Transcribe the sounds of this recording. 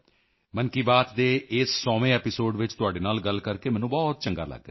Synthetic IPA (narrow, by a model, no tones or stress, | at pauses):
mənkiːbaːt̪d̪eːɪsːɔːʋẽːɛːpɪsoːɖʋɪt͡ʃt̪ʊaːɖeːnaːlɡəlkəɾkeːmɛ̃ːnũːbɔːt̪̚t͡ʃəŋɡa̰ːlə̰ɡ̪̚e